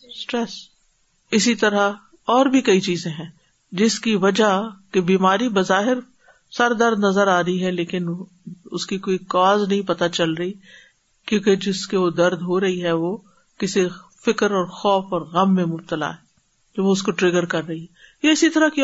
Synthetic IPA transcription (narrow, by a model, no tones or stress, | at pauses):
sʈɾɛs | ɪsit̪ɐɾa | ɔːɾbʱikɐit͡ʃiːzẽɦɛ̃ː | d͡ʒɪskiʋɐd͡ʒakebiːmaːɾibɐzaːɦɪɾ | sɐɾd̪ɐɾd̪nɐzəɾaːɾɐiɦɛleːkɪn | ʊskikoːikɔːznɐɦĩpɐt̪at͡ʃɐlɾɐɦi | kjõːked͡ʒɪskeʋod̪ɐɾd̪ɦoɾɐɦiɦɛʋoː | kɪsi | fɪkəɾɔːɾxɔːfɔːɾɣɐmːẽmʊb̚t̪əla̰ɦɛː | d͡ʒoʋoʊskoʈɾɪɡəɾkɐɾːɐɦiɦɛjeɪsit̪ɐɾaki